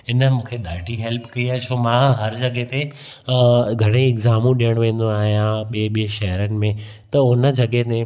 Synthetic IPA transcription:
ɪnə̆mũːkʰeɗaːʈiɦeːlpkɐiaːt͡ɕʰoːmãɦɐɾd͡ʑɐɠet̪e | ɡʱɐɽ̃eɪɡzaːmũɗijəɽ̃ʋẽːn̆d̪oaːɦijãɓieɓiẽʃɐɦəɾənɪ̆mẽ | t̪ɐʊnə̆d͡ʑɐɠet̪e

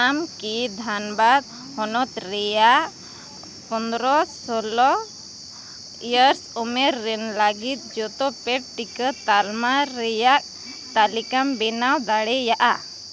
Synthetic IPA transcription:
amkid̪ʱanbad̪̚ | hɔnɔt̪̚ɾɛja | pɔnd̪ɾɔsɔlɔ | ijəɾsɔmɛɾːɛnləɡit̪̚d͡ʒɔt̪ɔpɛʈ̚ʈikət̪almaɾɛjaʔ̚ | t̪alikambɛnawd̪aɽɛjaʔa

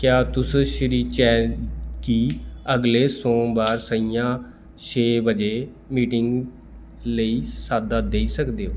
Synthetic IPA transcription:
kjaːt̪ʊsʃɾiːt͡ʃɛːkiːəɡleːsɔ̃ːbaːɾsəijãː | ʃʰeːbəd͡ʒeː | miːʈɪŋɡ | ləiːsaːd̪aːd̪eiːsəkd̪eːɦoː

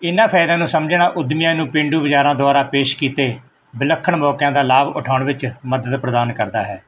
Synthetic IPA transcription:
ɪnãːpʰɛːd̪ãːnũːsəmd͡ʒɳaːʔʊd̪mɪjãːnũːpɪ̃ɳɖuːbəd͡ʒaːɾãːd̪oʊaːɾaːpeːʃkiːt̪eː | bɪləkʰːəɳmɔːkjãːd̪aːlaːbʊ̰ʈʰaːɳʋɪt͡ʃməd̪əd̪pɾəd̪aːnkəɾd̪aːɦɛː

